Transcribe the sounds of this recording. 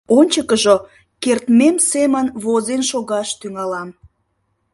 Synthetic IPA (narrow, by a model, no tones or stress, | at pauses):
onʲt͡ɕəkəʒo | kert̪memsemənβozenʃoɣɑʃt̪yŋɑlɑm